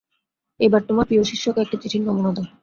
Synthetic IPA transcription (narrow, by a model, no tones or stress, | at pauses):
ebaɾt̪omapioʃiʃːokek̚ʈit͡ɕiʈʰinkɔmonad̪a